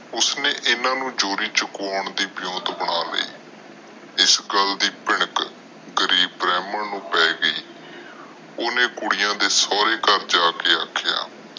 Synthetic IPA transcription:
ʊsneːʔɪnãːnũːd͡ʒoːɾiːt͡ʃəkaːɳd̪iːbɪjõːt̪bəɽaːlə̰ḭː | ɪsɡəld̪iːpɪɳ̃ək | ɡəɾiːbɾɛːməɳnũːpɛːɡəiː | oːneːkʊɽɪjãːd̪eːsɔːɾeːkəɾd͡ʒaːkeːaːkʰːja̰ː

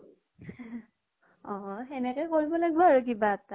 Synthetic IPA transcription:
ɔ̃ɛnɛkɔjkoɹibɔlaɡibɔaɹuk̬ibaːta

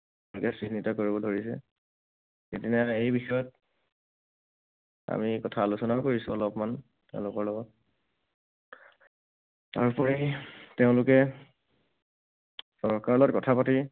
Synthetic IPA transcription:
lʊkɛsɹinitakoɹibɔdʱoɹisɛ̰ | etinaejbixɔjɔt̚ | a̰mikɔtʰaːlusɔnakoɹisʊɔlɔpman | teʊ̃lʊkɔɹlɔɡɔt̚ | ta̰ɹpɔɹiteʊ̃lʊkɛ | sɔɹkaɹlɔtkɔtʰapati

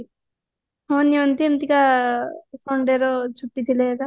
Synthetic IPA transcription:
ɦɔniont̪iemt̪ika | sɔɳɖeɾɔt͡ʃʰuʈːit̪ʰileka

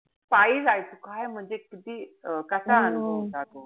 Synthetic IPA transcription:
paiːd͡zajsʰukʰaejm̤əɳd͡zekit̪iːəkəsaːnod͡zat̪o

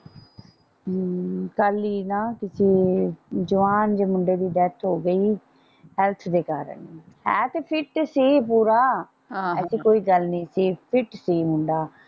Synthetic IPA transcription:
kaːliːnãːkɪsiːd͡ʒəʋaːnd͡ʒeːmʊ̃ɳɖeːd̪iːɖ̪ɛːt̪ʰɦoːɡəiː | hɛlt̪ʰd̪eːkaːɾə̰nhɛ̃ːt̪eːpʰɪʈsiːpuːɾaː | ɛːsiːkoːiːɡəlnĩːsiːpʰɪʈsiːmʊɳɖaː

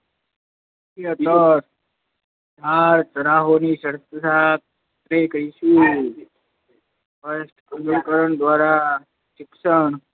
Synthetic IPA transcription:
t̪iət̪əɾ | d̪ʱaɾt͡ʃəɾaɦoniʃəɾt̪əsʰat̪ | t̪ɾekəɾiʃu | fəsʈkənəkəɾəɳd̪ʋaɾa | ʃɪkʃəɳ

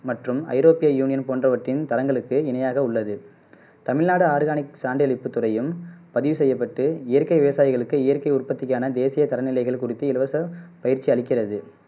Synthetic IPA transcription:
mɐʈrɯmɐ̰ɪɾoːpɪjɐjuːnɪjɐnpoːndrɐʋɐʈrɪnt̪ɐɾɐŋɡɐɭɯkːɯɪnɐjaːɣɐʊɭːɐðɯ | t̪ɐmɪɭnaːɽɯaːɾɯɣaːnɪksaːɳɖɪɐɭɪpːɯt̪ːʊrɐjɯmpɐðɪʋɯsɛjːɐpːɐʈːɯɪjɐɾkɐɪʋɪʋɐsaːjɪɣɐɭɯkːɯɪjɐɾkɐɪʊrpɐt̪ːɪkːaːnɐd̪eːsɪjɐt̪ɐɾɐnɪlɐɪɣɐɭkʊrɪt̪ːɯɪlɯʋɐsɐpɐjɪɾt͡ʃːiɐɭɪkːɪrɐðɯ

